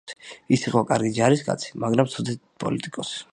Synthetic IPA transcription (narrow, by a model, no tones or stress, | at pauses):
isiqʼɔkʼaɾɡid͡ʒaɾiskʼa̰t̪sʰi̥maɡɾamt̪sʰɔd̪ɛt̪pʼɔ̰lit̪ʼikʼɔs